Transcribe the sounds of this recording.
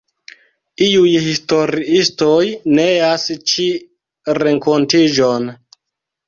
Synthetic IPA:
iujhisto̞ɾiistojneast͡ʃi | ɾeŋkontid͡ʒon

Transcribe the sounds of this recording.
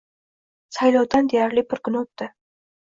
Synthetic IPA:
sajlɒwd̪and̪ejaɾlɪpʰʊɾkʰʊnot̪d̪ɪ

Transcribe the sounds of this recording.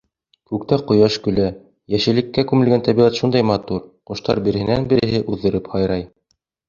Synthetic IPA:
kʉk̚t̪æqŏjɑʃkɵ̆læ | jæʃɘ̆lɘ̆kːækʉmɘ̆lɡænt̪æβiʁɑt̪ʃund̪ɑjmɑt̪uɾqŏʃt̪ɑ̰ɾbĭɾɘ̆hɘ̆nænbɘ̆ɾɘ̆ɦɘʔʉðːɤ̆ɾɘphɑjɾɑj

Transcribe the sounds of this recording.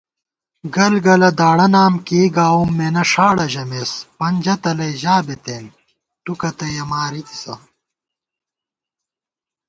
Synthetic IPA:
ɡɐlɡɐlɐd̪aːɽɐnaːmkeːɡaːwumːenɐʂaːɽɐʑɐmeːspɐnd͡ʑɐt̪ɐlɐjʑaːbet̪eːn | ʈukɐt̪ɐjɐmaːɾit̪i̥sɐ̰

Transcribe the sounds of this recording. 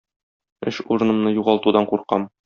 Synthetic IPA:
ɘ̰ʃuɾɤ̆nɤ̆mnɤjuʁɑlˠt̪ud̪ɑɴquɾqɑm

